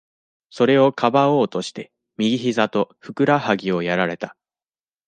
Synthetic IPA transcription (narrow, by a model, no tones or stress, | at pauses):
so̞ɾe̞o̞kʰabao̞ːt̪o̞ɕi̥t̪e̞ | mʲiɡʲiçizat̪o̞ɸɯ̟kɯ̟ɾahaɡʲio̞jaɾaɾe̞t̪ḁ